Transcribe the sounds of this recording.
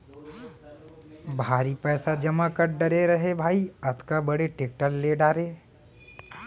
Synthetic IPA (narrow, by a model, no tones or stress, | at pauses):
bʱaːɾipɛːsad͡ʒɐmakɐɾɖɐɾeɾɐɦebʱaːiɐt̪kabɐɽeʈeːk̚ʈəlːeɖaːɾeː